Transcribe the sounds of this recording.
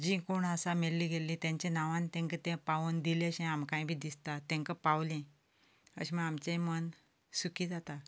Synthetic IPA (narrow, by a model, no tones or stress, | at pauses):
d͡ʑĩkoɳəsamellːiɡelĩt̪jãɲt͡ɕẽnaʋãnt̪ɛ̃ŋkət̪ẽpaʋond̪iləɕẽamkãj̃bʱiːd̪ist̪at̪ɛ̃ŋkəpawlẽ | ə̰ɕiməɡamt͡ɕẽmən | sukiːd͡zat̪a